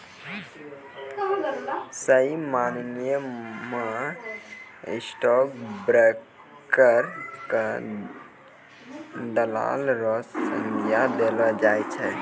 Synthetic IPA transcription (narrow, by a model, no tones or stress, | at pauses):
səimannjəma | isʈɔk̚bɾɛk | kəɾkə | d̪əla̰lɾɔssə̃ŋdijad̪elɔd͡ʒajt͡ʃʰɛ